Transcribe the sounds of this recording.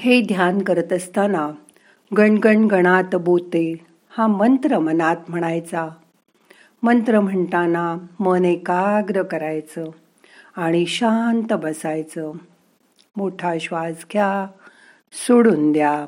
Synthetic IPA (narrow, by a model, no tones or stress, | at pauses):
hed̪ʱjankəɾət̪əst̪ana | ɡəɳɡəɳɡəɽ̃at̪bot̪e | hãmənt̪ɾəmənat̪m̤əɽ̃ajt͡sa | mənt̪ɾəm̤əɳt̪anamənekaɡɾəkəɾajt͡sə | aɽ̃iɕant̪əbəsajt͡sə | moʈʰaɕʋad͡zkʰja | soɽuːnd̪ja